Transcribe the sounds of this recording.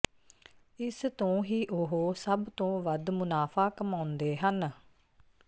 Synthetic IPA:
ɪst̪õːɦiːʔoɦoːsəbt̪õːʋəd̪mʊnaːpʰaːkəmãːʊnd̪eːɦən

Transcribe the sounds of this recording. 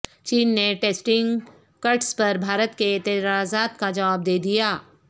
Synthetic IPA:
t͡ʃiːnːeʈeːsʈɪ̃ŋɡ | kɐɾʈspɐɾbʱaːɾət̪keɪt̪ɪɾaːzaːt̪kad͡ʒɐʋaːb̚d̪eːd̪ijaː

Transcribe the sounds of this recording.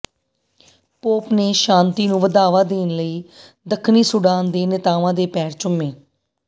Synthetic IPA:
poːpneːʃãːnt̪iːnũːʋəd̪aːʋaːd̪eːnləiː | d̪əkʰniːsʊɖaːnd̪eːnɪt̪aːʋãːd̪eːpɛːɾt͡ʃʊmːeː

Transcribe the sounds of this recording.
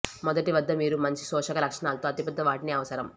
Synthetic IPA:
mɔd̪ɐʈiʋɐd̪ːɐmiːɾumɐɲt͡ʃi̥sɔːʂɐkɐlɐkʂɐɳaːlɐt̪oːɐt̪ipɐd̪ːɐʋaːʈiniːɐʋɐsɐɾɐm

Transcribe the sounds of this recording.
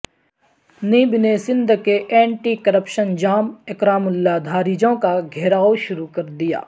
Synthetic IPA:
niːbnesɪ̃nd̪ʱkeʔɛ̃ːɳʈikɐɾəpʃənd͡ʒaːmɪkɾaːmʊlːaːd̪ʱaːɾid͡ʒõkaɡʱɛːɾaːoʃʊɾukɐɾd̪ija̰ː

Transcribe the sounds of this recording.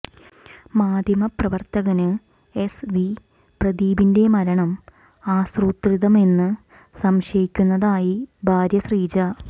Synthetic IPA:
maːd̪ʱjɐmɐprɐʋɐrt̪ɐɣɐnɨ | e̞sʋi | prɐd̪iːbinde̞mɐɾɐɳɐm | aːsruːt̪riðɐme̞nːɨ | sɐmɕɐjikʲːunːɐðaːjibʱaːɾjɐsriːt͡ɕɐ

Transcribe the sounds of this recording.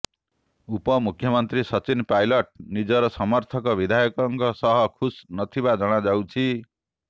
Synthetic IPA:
upʌmukʰːjʌmʌnt̪risʌt͡sinpajlʌʈ̚nid͡zʌɾʌsʌmʌrt̪ʰʌkʌbid̪ʱajʌkʌŋɡʌsʌɦʌkʰusnʌt̪ʰibad͡zʌɽ̃ad͡zawt͡sʰi

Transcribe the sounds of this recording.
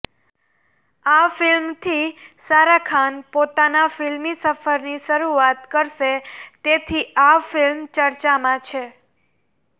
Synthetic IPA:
afɪlmt̪ʰisaɾakʰanpot̪anafɪlmisəfəɾniʃəɾuat̪kəɾʃet̪et̪ʰiʔafɪlmt͡ʃəɾt͡ʃamãt͡ʃʰe

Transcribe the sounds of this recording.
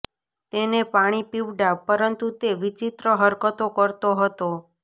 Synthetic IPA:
t̪enepaɽ̃ipiʋɖapəɾənt̪ut̪eʋit͡ʃit̪ɾəɦəɾkət̪okəɾt̪oɦət̪o

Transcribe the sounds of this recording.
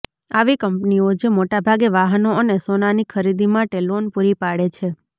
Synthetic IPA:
aʋikəmpniod͡ʒemoʈabʱaɡeʋaɦənoənesonanikʰəɾid̪imãʈelonpuɾipaɽet͡ʃʰe

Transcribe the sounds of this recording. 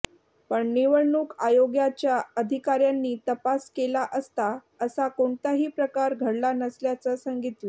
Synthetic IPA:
pəɳniʋəɾɳuːkajoɡjat͡ɕjaəd̪ʱikaɾjanːiːt̪əpaskelaʔəst̪a | əsakoɳt̪aɦiːpɾəkaɾɡʱəɽlanəsljat͡səsəŋɡit̪ʋi

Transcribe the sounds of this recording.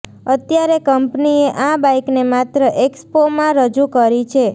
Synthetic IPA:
ət̪jaɾekəmpnieʔãbajknemat̪ɾəʔekspomãɾəd͡ʒukəɾit͡ʃʰe

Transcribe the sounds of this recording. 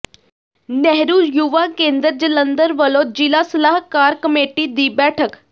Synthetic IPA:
nɛɦɾuːjuʋaːkẽːnd̪əɾd͡ʒələnd̪əɾʋəlõːd͡ʒɪlaːsəlaːɦkaːɾkəmeːʈiːd̪iːbɛːʈʰək

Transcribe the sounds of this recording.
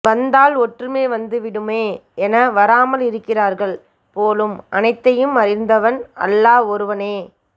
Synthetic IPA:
ʋɐnd̪aːlɔʈrɯmeːʋɐnd̪ɯʋɪɽɯmeːɛnɐʋɐɾaːmɐlɪɾɯkːɪraːɾɣɐɭ | poːlɯmɐnɐɪt̪ːɐjɯmɐɾɪnd̪ɐʋɐnɐ̰lːaːɔɾɯʋɐneː

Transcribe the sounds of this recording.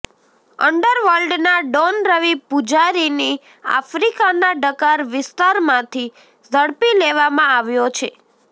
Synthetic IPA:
əɳɖəɾʋəlɖnaɖonɾəʋipud͡ʒaɾini | a̰fɾikanaɖəkaɾʋɪst̪aɾmãt̪ʰi | zʱəɽpileʋamãaʋjot͡ʃʰe

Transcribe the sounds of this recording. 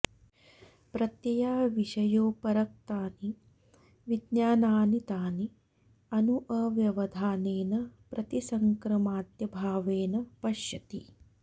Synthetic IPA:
pɾɐt̪jɐjaːʋiʃɐjoːpɐɾɐk̚t̪aːni | ʋid̪njaːnaːnit̪aːni | ɐnuʔɐʋjɐʋɐd̪ʱaːneːnɐpɾɐt̪isɐŋkɾɐmaːt̪jɐbʱaːʋeːnɐpɐʃjɐt̪ḭ

